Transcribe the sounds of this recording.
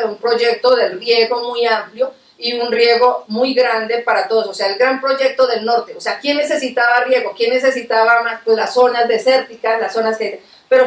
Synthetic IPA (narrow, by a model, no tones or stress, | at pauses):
umpɾo̞ʝe̞k̚t̪o̞ðe̞lrje̞ɣo̞mujampljo̞ | iunrje̞ɣo̞mujɡɾand̪e̞paɾat̪o̞ðosose̞aelɡɾampɾo̞ʝe̞k̚t̪o̞ðe̞lno̞ɾt̪eose̞akje̞nːe̞se̞sit̪aβarje̞ɣo̞kje̞nːe̞se̞sit̪aβaunalasːo̞nazd̪ese̞ɾt̪ikalasːo̞naskee | pe̞ɾo